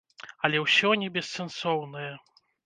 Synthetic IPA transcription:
ɐlʲɛwsʲɔnʲɛbʲɛsːɛnsɔwnɐjɐ

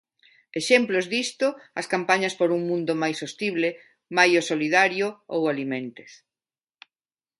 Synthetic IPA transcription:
eʃemplozðist̪ʊɐskampaɲɐspoɾuŋmũnd̪ʊmajsost̪iβle | majosoliðaɾjʊo̰walimẽnt̪e̥s

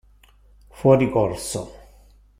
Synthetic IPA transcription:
fwɔːɾikorso̰

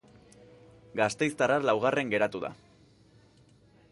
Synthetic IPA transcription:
ɡast̪e̞jst̪aralawɣ̞are̞ŋɡe̞ɾat̪uða̰

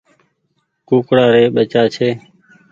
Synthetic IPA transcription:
kuːkɽaːɾeːɓət͡ʃaːt͡ʃʰeː

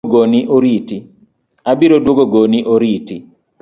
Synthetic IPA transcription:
ɡoniʔoɾiti | abiɾodwoɡoɡoniʔoɾiti

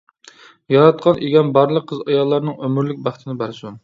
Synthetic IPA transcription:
jɑɾɑt̪̚qʰɑnʔeɡʲɛnbɑɾlˠəqʰːəzɑjɑlˠːɑɾnɨŋømyɾlɪk̚ʲbæχt̪ʰɪnɪbæɾsun

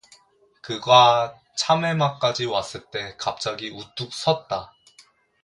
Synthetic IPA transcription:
kɯɡa | t͡ɕʰame̞mak͈ad͡ʑiwas͈ɯɭt͈e̞kap̚t͡ɕ͈aɡiʔut͈uk̚s͈ʌt̚t͈a

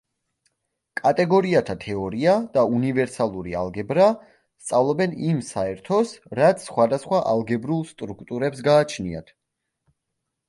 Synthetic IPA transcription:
kʼat̪ʼɛɡɔɾiat̪ʰat̪ʰɛɔɾiad̪̥aunivɛɾsalˠuɾia̰lˠɡɛbɾa | st̪sʼavlˠɔbɛnimsaɛɾt̪ʰɔsɾat̪sʰːχwad̪asχwaʔalˠɡɛbɾulˠst̪ʼɾukʰt̪ʼuɾɛpsɡaːt͡ʃʰnia̰t̪ʰ

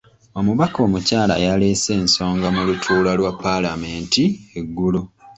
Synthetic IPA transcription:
omuβako̞ːmucaːla̰jale̞se̞ːnso̞ːŋɡamulutʰuːlalwapːalame̞ːntieɡːulu

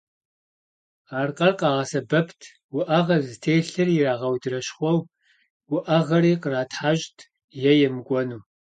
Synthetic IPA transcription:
aːrqʼɐrqɑːʁɐsɐbɐpʰtʰ | wʊʔɐʁɐzɨtʰeːɬɨrjɪraːʁɐwdɨrɐɕχʷɔw | wʊʔɐʁɐɾiːqəraːtʰħaːɕʼtʰ | jɛjɛmɨɡʷʼɔnuː

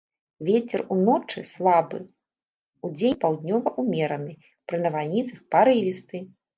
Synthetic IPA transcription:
vʲet͡sʲɛrunɔt͡ʂɨslˠabɨ̰ | ud͡zʲenʲpawd̪ʲnʲɔvɐʔumʲɛɾɐnɨ | pɾɨnɐvalʲnʲit̪sɐxpaɾɨvʲist̪ɨ

